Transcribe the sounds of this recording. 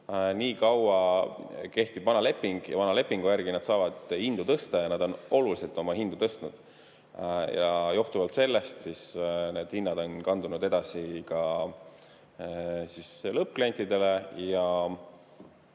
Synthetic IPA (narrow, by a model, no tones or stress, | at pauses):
niːkɑwɑ | ke̞ht̪ib̥vɑnɑle̞pːˑiŋɡ̥jɑ̰vɑnɑle̞pːiŋɡ̥ujærɡ̥inɑd̪sɑːvɑd̪̥hind̪̥ut̪ɤst̪ɑjɑnɑd̪o̞nʔo̞luliselt̪ˑo̞mɑhind̪̥ut̪ɤst̪nud̪̥ | jɑjoht̪uvɑlt̪se̞lːe̞st̪sisne̞ːd̪̥hinːɑd̪̥o̞nkɑnd̪̥unud̪e̞d̪̥ɑsikɑ | sislɤp̚klenʲt̪id̪̥e̞le̞jɑ